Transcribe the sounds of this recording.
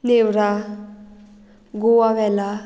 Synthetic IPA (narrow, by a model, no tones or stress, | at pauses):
newɾa | ɡowabɛla